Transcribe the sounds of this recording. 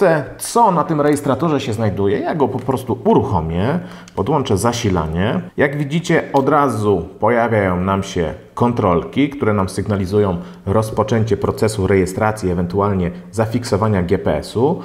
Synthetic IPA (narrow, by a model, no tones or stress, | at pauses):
ɛt̪sɔnat̪ɘmɾɛjɛst̪ɾat̪ɔʐɛɕɛznajd̪ujɛjaɡɔpɔpɾɔst̪uuɾuxɔmʲjɛ | pɔd̪wɔnt͡ʂɛzaɕila̰ɲɛjaɡvʲid͡ʑit͡ɕɛɔd̪ɾazupɔjavʲjajɔ̃w̃namɕɛ̰kɔnt̪ɾɔlkʲikt̪uɾɛnamsɘɡnalʲizujɔ̃w̃ | ɾɔspɔt͡ʂɛɲt͡ɕɛpɾɔt̪sɛsuɾɛjɛst̪ɾat̪sʲjiɛvɛnt̪ualɲɛzafʲiksɔvaɲaɡʲjɛpɛɛ̰su